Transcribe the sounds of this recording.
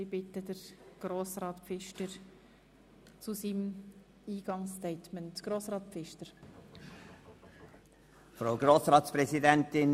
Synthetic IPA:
sɪbɪtəd̥əɾɡ̥ɾoːsɾɑːtpfɪʃtəɾ | t͡susim | iːɡ̥ɑŋstɛɪtməntɡ̥ɾoːsɾɑːt̚pfɪʃtəɾ | fɾaʊɡɾoːsɾɑːt̪spɾɛsidɛnt̪ɪn

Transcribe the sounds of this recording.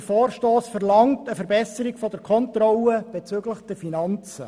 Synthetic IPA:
fɔːrʃtoːsfəɾlɑŋtəfəɾbɛsəɾiɡfɔd̥əɾkʰɔntrɔləb̥ɛt͡syːɡləχd̥ɛɾfinɑnt͡sə

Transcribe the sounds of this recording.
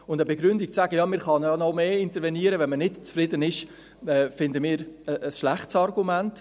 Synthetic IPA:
ʊndəbeɡɾʏndik̚t͡sæːɡəjɑːmɪɾχɑnɑnɔmeːɪntəɾvɛniəɾəvɛnmənɪtt͡sfɾɪdənɪʃ | ɛːfɪndəmɪːɾəʔːsʃlæχtsɑrɡumænt

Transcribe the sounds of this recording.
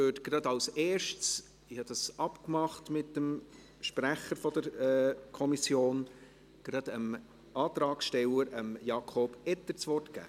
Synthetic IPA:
øːtɡ̥ɾɑd̪ɑwsɛːɾʃts | ɪhɑd̥̪ɑsɑpkmɑχtmɪtdəm | ʃpɾæχəɾfɔd̥̪əɾɛːkʰɔmisjoːn | ɡ̥ɾɑd̪əm | ʔɑːt̪ɾɑːksʃtɛləɾəmjɑkʰɔːb̥ɛt̪ːət͡sʋɔrtɡ̥æ̰ː

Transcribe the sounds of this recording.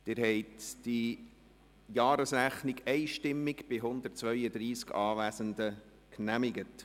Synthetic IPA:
t̪ɪɾɦɛɪtd̥i | jɑːɾəsɾæχnɪɡɛɪʃtɪmːɪɡb̥ɪɦʊnd̪ərt̚t͡sʋœʏədɾiːskɑːʋæːsənd̪ə | knæmɪɡət

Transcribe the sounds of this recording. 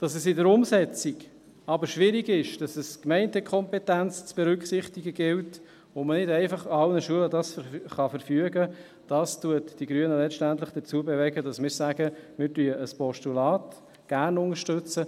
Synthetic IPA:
d̥ɑsɛsɪdəɾʊmsɛt͡siɡ | ɑbəɾʃʋɪɾiɡɪʃd̥ɑsɛskmɛɪntɛkʰɔmpɛtænt͡st͡sb̥ɛɾʏkχsɪχtiɡəɡɪlt | omənɪdɛɪfɑχɑlnəʃuələdɑsχɑfəɾfyəɡə | d̥ɑstuətd̥iɡɾyənəlɛʃtæntləχd̥əɾt͡suəbevɛɡədɑsmɪːɾsæɡ̥əmɪːɾtyəʔəspɔʃtulɑːt | ɡ̥æɾnʊŋəɾʃtʉt͡sə

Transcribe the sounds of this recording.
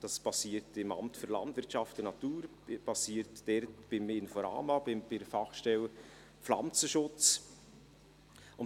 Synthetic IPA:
d̥ɑspɑsiːəɾtɪmɑ̰mtføɾlɑ̰ndvɪɾtt͡ʃɑftənɑt̪uːɾ | b̥ɑsiːɾtd̥ɛɾtb̥ɪmɪnfɔɾɑ̰ːmɑbɪmbɪdəfɑχʃtɛl | flɑ̰mt͡səʃʊt͡s | ʊn

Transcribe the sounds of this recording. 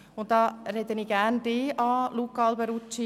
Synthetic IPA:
ʊnt̪̚dɑːɾɛd̪əniɡ̥ænd̥̪eːʔɑːlukɑːlbɛɾut͡ʃi

